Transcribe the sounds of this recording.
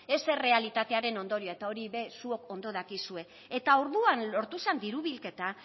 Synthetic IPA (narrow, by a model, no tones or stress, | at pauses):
e̞se̞re̞alit̪at̪e̞aɾe̞no̞nd̪o̞ɾioaet̪ao̞ɾiβe̞suo̞ko̞nd̪o̞ðakisue̞ː | t̪auɾðuanlo̞ɾt̪use̞nd̪iɾuβilke̞t̪a